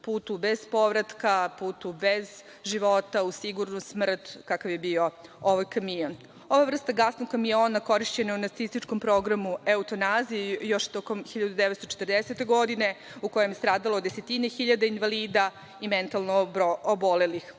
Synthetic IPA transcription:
puːt̪ube̞zpo̞ʋɾat̪kapuːt̪ube̞z | ʒiʋo̞t̪ausiɡuɾnusmr̩t̪kakaʋjebio̞oʋajkamion | o̞ʋavr̩st̪aɡasnoɡ̚kːamio̞ːnako̞ɾiʃt͡ɕeneunaɾt̪sist̪it͡ʃko̞mpɾo̞ɡɾamueut̪o̞naːzijejo̞ʃt̪o̞komxiʎad̪ud̪eʋet̪st̪ot͡ʃet̪r̩d̪eset̪e̞ɡo̞d̪ine̞ | uko̞jemjst̪ɾaːd̪alod̪eset̪inexiʎad̪ainʋaliːd̪a | ime̞nt̪alˠnoobole̞lix

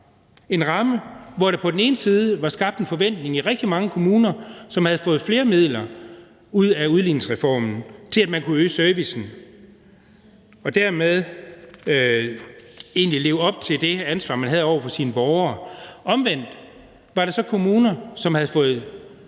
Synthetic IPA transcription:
e̝nʁɑ̈məʋɒɾɑ̈pʰɒ̽d̥en̩e̝ːnəsiːð̞ˠəʋɑ̈sɡ̥ɑ̈b̥d̥e̝nfɒ̽ʋen̰d̥ne̝ŋiʁɛɡ̥d̥imɑ̈ŋəkʰo̝muːnɐsɒ̽mhæð̞̩ˠfɔ̽ːð̩ˠfle̝ːɐmið̞̰ˠlɐ | uð̞̰ˠæuð̞ˠlḭːneŋsʁɛfɒ̰ːmn̩t͡sʰe̝læd̥mænkʰuøːsøɐʋisn̩ | ɒ̽d̥æɐmeð̞ˠ | e̝̰ːnlile̝ːʊɒ̽b̥̚t͡sʰe̝ld̥e̝ænsʋɑ̈ːmænɦæð̞̩ˠɒ̰ʊɐfɒ̽siːnəb̥ɒʊɐːɒ̽mʋen̰d̥ | ʋɑ̈ɾɑ̈sɒ̽kʰo̝muːnɐsɒ̽mhæð̞̩ˠfɔ̽ːð̩ˠ

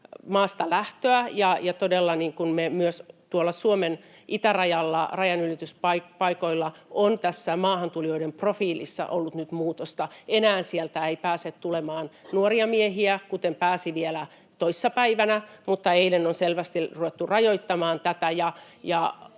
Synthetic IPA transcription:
mɑːst̪ɑlæht̪øæjɑjɑt̪odelːɑniːŋkunmemyøst̪uolːɑsuomen | ʔit̪ærɑjɑlːɑ̰rɑjɑnylit̪yspɑikpɑikoilːɑʔont̪æsːæmɑːhɑnt̪ulijoidemprofiːlḭsːɑ̰ʔolːut̪nyt̪muːt̪ost̪ɑenæːnsielt̪æeipæːset̪t̪ulemɑːnnuoriɑmieɦiækut̪empæːsiʋielæ | t̪oisːɑpæiʋænæmut̪ːɑeilenonselʋæst̪iruʋet̪ːurɑjoit̪ːɑmɑːnt̪æt̪æjɑ | jɑ

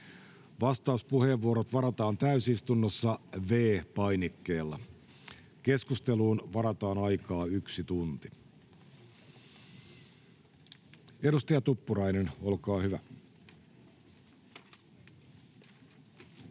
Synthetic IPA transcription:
ʋɑst̪ɑuspuhe̞ʋʋːuoɾot̪ʋɑɾɑt̪ɑːnt̪æysist̪unːosːɑʋe̞ːpɑjnikːe̞ːlːɑ | ke̞skust̪e̞luːnʋɑɾɑt̪ɑːnɑjkɑːyksit̪unt̪i | e̞ɾust̪ɑjɑt̪upːuɾɑjneno̞lkɑːhyʋæ

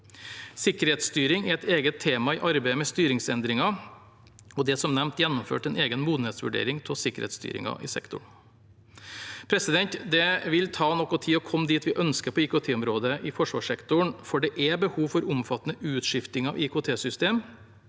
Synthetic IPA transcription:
sɪkəɾheːt̪st̪yːɾɪŋɛɾɛt̪eːɡət̪ʰːeːmɑɪʔɑɾbæɪəmɛst̪yːɾɪŋsɛnd̪ɾɪŋɑ | ɔd̪ɛsɔmnɛmt̪jɛnːʊmfø̰ːʈɛneːɡənmuːd̪n̩ɛːt̪sʋʉɖḛːɾɪŋt̪ʰɔsɪkːəɾhḛːt̪st̪y̰ːɾɪ̰ŋɑ̰ʔɪ̰sɛ̰kt̪ʊ̰ɳ | pʰɾɛsɪd̪ɛnt̪d̪ɛʋɪlt̪ʰɑːnɔkːɔt̪ʰiːɔkʰɔmːd̪iːt̪ʋɪʔœnskəpʰɔiːkoːt̪ʰeːɔmɾoːd̪əʔɪfɔʂʋɑːʂɛkt̪ʊɳfɔɖɛʔɛbəhuːʋfɔɾʊmfɑt̪ːənəʔʉːt̪ʂɪft̪ɪŋɑʋʔiːkʰoːt̪ʰeːsʏst̪eːm

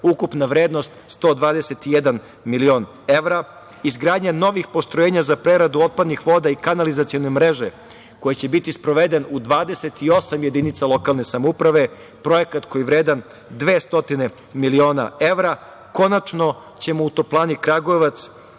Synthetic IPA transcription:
ukupnaʋɾeːd̪no̞st̪st̪o̞ːd̪ʋaːd̪ese̞t̪ijed̪an | milio̞ːn | e̞ʋɾa | izɡɾaːd̪ɲano̞ʋixpo̞st̪ɾojeːɲazapɾeɾad̪uo̞t̪̚pad̪nixʋo̞d̪aikanalizat̪sijo̞ne̞mɾe̞ʒe | ko̞jet͡ɕe̞bit̪ispɾo̞ʋe̞d̪e̞nud̪ʋaːd̪e̞se̞t̪io̞samje̞d̪init̪salˠo̞kalˠne̞samoupɾaʋe̞ | pɾo̞je̞kat̪ko̞jiʋɾeːd̪an | d̪ʋeːst̪o̞t̪ine̞ | milio̞ːna̰e̞ʋɾa | ko̞nat͡ʃno̞ | t͡ɕe̞mout̪oplˠaːnikɾaɡoeʋat̪s

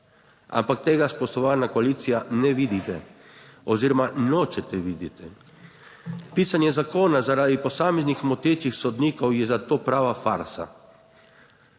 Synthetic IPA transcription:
a̰mpak̚t̪eːɡaspɔʃt̪ɔʋaːnakɔaliːt̪sijanɛʋiːd̪it̪ɛ | ɔziːɾɔmanɔːt͡ʃɛt̪ɛʋid̪it̪ɛ | piːsanjɛzakoːnazaɾaːd̪ipɔsaːmeznixmɔt̪eːt͡ʃixsɔd̪niːkɔwjɛzat̪oːpɾaːʋafa̰ɾsa̰

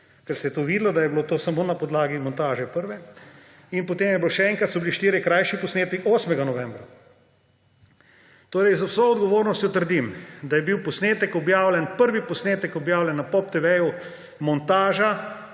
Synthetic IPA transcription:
kɛɾsɛjɛt̪oːʋiːd̪lɔd̪ajɛblot̪oːsamoːnapɔd̪laːɡimɔnt̪aːʒɛpəɾʋɛ | inpot̪eːmjɛbiloʃɛɛːŋkɾɐt̪sɔbiliʃt̪eːɾjɛkɾajʃipɔsneːt̪ɛkoːsmɛɡanɔʋɛmbɾa | t̪oːɾɛjzwsoɔd̪ɡɔʋoːɾnɔst̪jɔt̪əɾd̪imd̪ajɛbiwpɔsneːt̪ɛkɔbjaːwlʲɛnpəɾʋipɔsneːt̪ɛkɔbjaːwlʲɛnːapɔp̚t̪ɛʋɛju | mɔnt̪aːʒa

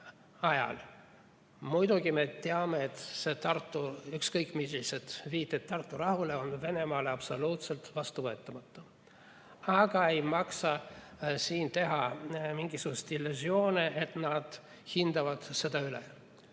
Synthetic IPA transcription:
ɑjɑ̰l | mujd̪̥uɡime̞t̪eɑmeet̪se̞t̪ɑrt̪ːˑuykskɤjkːˑmiliset̪viːt̪ːˑet̪̚t̪ɑrt̪ːuɾɑɦuleo̞nve̞ne̞mɑːleɑpso̞luːt̪se̞lt̪vɑst̪uvɤet̪ˑːɑmɑt̪ːˑu | ɑɡ̥ɑe̞jmɑksɑ | siːnt̪e̞ɦɑmiŋɡisuɡ̥ust̪ilːyzio̞ːniʔet̪nɑd̪̥ | hind̪ɑvɑd̪̥se̞d̪ɑylḛ

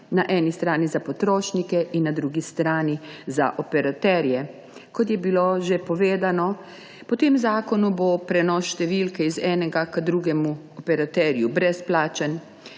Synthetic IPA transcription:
naʔɛːnist̪ɾaːnizapɔt̪ɾoːʃnikɛʔinːad̪ɾuːɡist̪ɾaːniza̰ʔɔpɛɾat̪ɛɾjɛ | kɔt̪̬jɛbiloʒepɔʋeːd̪anɔ | pɔt̪eːmzaːkɔnubopɾɛnɔsʃt̪ɛʋiːlkɛizɛːnɛɡakəd̪ɾuːɡɛmuɔpɛɾat̪ɛːɾjubɾɛsplaːt͡ʃən

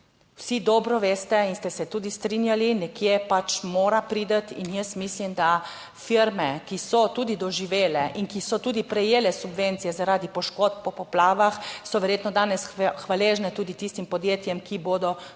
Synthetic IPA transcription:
wsid̪ɔːbɾɔʋeːst̪ɛinst̪ɛsɛt̪uːd̪ist̪ɾinjalinɛkjepat͡ʃmoːɾapɾiːd̪ət̪injəsmislimd̪a | fiɾmɛkisɔt̪uːd̪id̪ɔʒiʋeːlɛʔinkisɔt̪uːd̪ipɾɛjeːlɛsubʋent̪sijɛzaɾaːd̪ipɔʃkoːt̪̚pɔpɔplaːʋaxsɔʋɛɾjeːt̪nɔd̪aːnɛsxʋaleːʒnɛt̪uːd̪it̪ist̪impɔd̪jeːt̪jɛmkiboːd̪ɔ

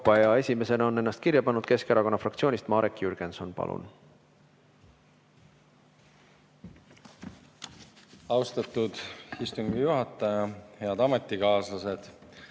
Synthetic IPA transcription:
pːˑɑeɑe̞sʲime̞se̞nɑo̞nːe̞nːɑst̪̚kirjɑpɑnːud̪̥̚ke̞skeɾɑko̞nːɑfrɑk̚t̪sionʲist̪mɑːɾekːˑjyrɡ̥enso̞npɑ̰lʔṵn | ɑwst̪ɑt̪ud̪̥ist̪uŋɡijuɦɑt̪ːˑɑjɑhe̞ɑd̪ɑmet̪ːˑikɑːslɑsed̪̥

